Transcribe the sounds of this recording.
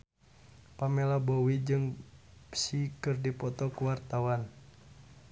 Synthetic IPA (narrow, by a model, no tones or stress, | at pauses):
pamɛlabɔwid͡ʒɨŋpsikɨrdipɔt̪ɔkuwart̪awan